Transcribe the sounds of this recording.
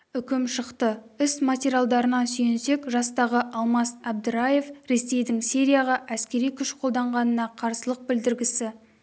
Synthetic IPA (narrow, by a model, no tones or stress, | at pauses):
ʏkʲɪmʃəqt̪əʏsmatʲeɾʲjalˠd̪ɑɾənɑsʏjense̞kʒɑst̪ɑʁəʔɑlˠmɑst̪ɑb̚d̪ɪɾaje̞fɾe̞se̞jd̪ɪŋsʲe̞ɾʲijaʁɑʔæskʲe̞ɾijkʲʰʏʃqʰo̞lˠd̪ɑɴʁɑnənɑqʰɑɾsəlˠəq̚bɪld̪ɪɾɡʲɪsɪ